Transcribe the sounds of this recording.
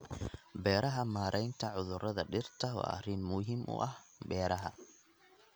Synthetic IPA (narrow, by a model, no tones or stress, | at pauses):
bɛːɾɐɦɐmaːɾʔɛjnt̪ʰɐʕʊðʊɾɐðɐɖɪrt̪ʰɐɔ̰ːɐ̰rɪnmʊɦimʔʊ̰ʔɐhbɛːɾɐɦɐ̰